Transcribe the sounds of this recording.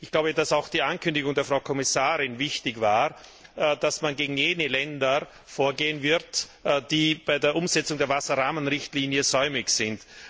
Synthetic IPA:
ʔɪçɡ̥laʊbəd̥asaʊxd̥iːʔankʰʏndɪɡʊŋdeːɐfʁ̥aʊkʰɔmɪsaːʁɪnvɪçtɪçvaː | d̥asmanɡeːɡŋ̩jeːnəlɛndɐ | foːɐɡeːənvɪʁtd̥iːb̥aɪdeːɐʔʊmz̥ɛt͡sʊŋdeːɐvasɐʁaːmənʁɪçtliːnjəzɔʏmɪçsɪnt

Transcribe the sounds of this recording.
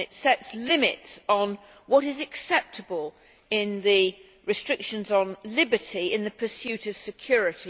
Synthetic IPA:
ɨtsɛtslɪ̃mɪtsn̩ | wʌɾɨzɨksɛp̚tʰəbəlˠ | ɪ̃nðɨ | ɹɨstɹ̥ɪkʃɨ̃nzn̩lɪbətiɪ̃nðɨpʰə˞sjʉɾʌv̥sɨkʰj̥ɔɹɨɾi

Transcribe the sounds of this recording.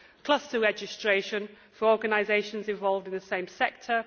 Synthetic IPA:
kʰl̥ʌstəɹɛd͡ʒɪstɹ̥eɪʃə̃n | fəɹɔːɡənaɪzeɪʃə̃nzɪ̃ɱvɒlˠvdɪ̃nðəsẽɪ̃msɛk̚tʰə

